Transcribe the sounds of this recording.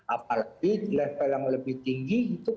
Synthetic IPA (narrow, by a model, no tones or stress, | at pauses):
ʔapalaɡilɛhpəlaŋləbɪht̪iŋɡiit̪u